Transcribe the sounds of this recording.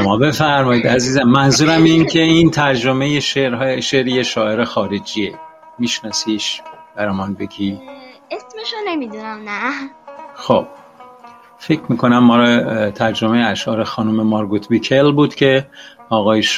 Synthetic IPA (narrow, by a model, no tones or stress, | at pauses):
omɒːbe̞fæɾmɒːid̪æziːzæmːænzuːɾæmincʰe̞int̪ʰæɾd͡ʒomejeʃeɾɦʃeɾijeʃɒːe̞ɾexɒːɾed͡ʒiːe | miːʃnɒːsiʃb̥æɾɒmɒnbeɡʲiesmeʃonemid̪unæmnæ | xob̥̚ | fecʰmiːkʰo̞næmːɒːɾt̪ʰæɾd͡ʒomejeæʃʔɒːɾexɒːnumemɒɾɡut̪ʰbikʰelbuːd̪̥cʲʰe̞ɒːɣɒːjeʃ